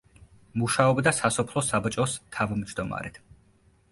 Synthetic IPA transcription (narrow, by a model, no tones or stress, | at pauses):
muʃaɔbd̪asasɔpʰlˠɔsabt͡ʃʼɔst̪ʰavmd͡ʒd̪ɔma̰ɾɛt̪ʰ